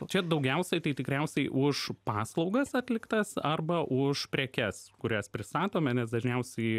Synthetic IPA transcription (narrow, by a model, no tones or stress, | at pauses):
t͡ʃʲɛd̪ɒʊɡʲɛʊsʲɛɪt̪ɐɪt̪ʲɪkɾʲɛʊsʲɛɪʔʊʃpɑːslˠɒʊɡɐsɐt̪ʲlʲɪkt̪ɐsɐrbɐʔʊʃpʲɾʲɛːkʲɛskʊɾʲæspʲɾʲɪst̪ɑːt̪oːmʲɛnʲɛs̬d̪ɐʒʲnʲɛʊsʲɛɪ